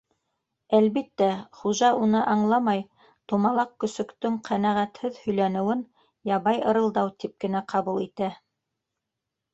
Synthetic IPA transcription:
ælβit̪ːæχuʒɑunɤʔɑɴlˠɑmɑj | t̪umɑlˠɑq̚kɵ̆sɵ̆kt̪ɵŋqʰænæʁæt̪hɘðhɵ̆jlænɘ̆wɘn | jɑβɑjɤ̆ɾɤ̆lˠd̪ɑwt̪ip̚kɘ̆næqʰɑβulˠit̪æ

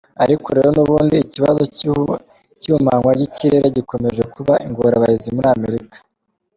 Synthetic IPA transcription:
aɾiko̞ɾe̞ɾo̞nuβuːndiːciβazo | cumaŋwaɟiciɾe̞ɾe̞ɟiko̞me̞ʒe̞kuβaʔiŋɡoɾaβaizimuɾiame̞ɾikḁ

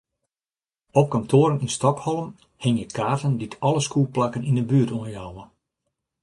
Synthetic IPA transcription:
ɔp̚kamtʰoːɾəninstɔkhɔlˠəm | hɪŋjəkʰaːrtənditʰɔlˠəskuːlplakənindəbyətuənjawə

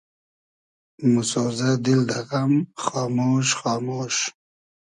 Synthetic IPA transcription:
musoːzad̪ild̪aɣamχɑːmoːʃχɑːmoːʃ

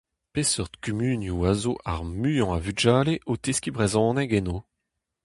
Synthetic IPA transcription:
pesœʁd̪kymyːnjuazoʔa̰ʁmyjɔ̃avyd͡ʒaːleʔot̪eskʲibʁɛzɔ̃nɛɡɛno

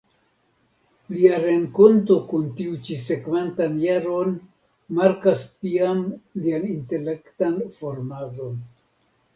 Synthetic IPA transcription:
liaɾe̞ŋko̞nto̞kuntiut͡ʃise̞kvantanjaɾo̞n | maɾkastiamlianinte̞le̞ktanfo̞ɾmalo̞n

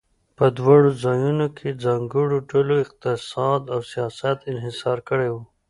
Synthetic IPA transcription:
pəd̪wɑɽozɑjunokʰed͡zaŋɡəɽoʈʊloɪq̚t̪ɪsɑd̪awsijɑsat̪ɪnɦɪsɑɾkəɽewu

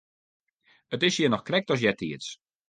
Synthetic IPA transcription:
ətɪsjinɔxkrɛk̚tɔs̬jɛtʰiəs

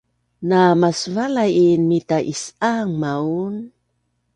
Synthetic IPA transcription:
namasvalajinmitaʔisaŋmaun

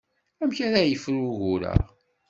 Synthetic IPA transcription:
æmçæɾæjəfɾuʝuɾə̰ʁ

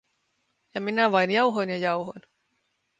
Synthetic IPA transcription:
jɑminæʋɑjnjɑuɦojnjɑjɑuwɦon

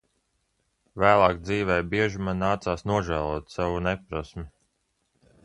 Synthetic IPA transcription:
væːlˠɑːk̚d̪ziːvɛːjbiɛʒimanːaːt̪saːsnuɔʒæːlˠuɔt̪savunɛpɾɔsmʲi

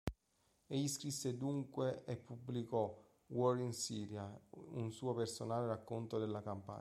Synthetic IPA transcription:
eʎːiskɾisːed̪uŋkweʔepːubːlikɔ | wɔɾinsiːɾjaunsuːopersonaːleɾakːont̪od̪elːakampa̰

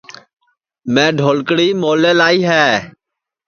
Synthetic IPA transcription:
mɛ̃ːɖʱoːlkɽiːmoːleːlaːiːɦɛː

